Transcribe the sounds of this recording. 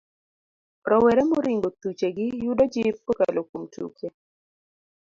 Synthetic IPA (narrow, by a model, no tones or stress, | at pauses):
ɾɔwɛɾɛmoɾɪŋɡot̪ut͡ʃeɡɪjudod͡ʒɪp̚oka̰lokomtʰṵkje